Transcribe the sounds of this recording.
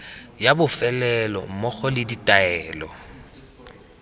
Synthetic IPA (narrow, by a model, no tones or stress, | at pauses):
jabʊfɛlɛlɔ̰mɔχɔlɪditʼaɛːlɔ̰